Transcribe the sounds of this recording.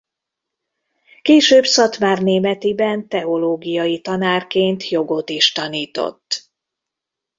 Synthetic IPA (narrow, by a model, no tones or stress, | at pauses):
keːʃøːbsɒt̪maːrneːmɛt̪ibɛnt̪ɛo̞loːɡijɒjit̪ɒnaːrkeːnt̪jo̞ɡo̞t̪iʃt̪ɒniːt̪o̞̰t̪ː